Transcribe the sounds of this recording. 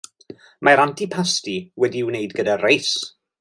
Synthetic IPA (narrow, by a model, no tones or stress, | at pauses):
maɾantʰipʰastiwɛdiɪwneɨdɡədarejs